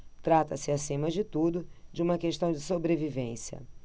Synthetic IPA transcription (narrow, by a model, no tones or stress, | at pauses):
t̪ɾat̪ɐsɪasĩmɐd͡ʒɪt̪ud̪ʊd͡ʒɪũmɐkeʃt̪ɐ̃w̃d͡ʒɪsobɾevivẽsjɐ̰